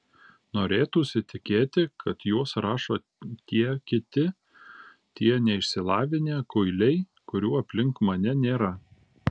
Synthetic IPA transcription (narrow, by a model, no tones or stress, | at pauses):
noːɾʲeːt̪uːsʲɪt̪ʲɪkʲeːt̪ʲɪkʰɐt̪juɔsɾɑːʃoː | t̪ʲiɛkʲɪt̪ʲɪ | t̪ʲiɛnʲɛɪʃʲsʲɪlˠɑːʋʲɪnʲeːkʊɪlʲɛɪ | kʊɾʲuːɐpʲlʲɪŋkmɐnʲɛnʲeːɾɐ